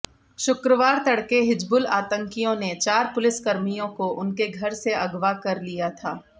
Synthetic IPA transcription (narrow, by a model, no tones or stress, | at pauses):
ʃʊkɾəʋaːɾt̪ɐɽkeɦɪd͡ʒbʊla̰ːt̪ə̃ŋkijõnet͡ʃaːɾpʊlɪskɐɾmijõkoʔʊnkeɡʱɐɾseɐɡʋakɐɾlijat̪ʰaː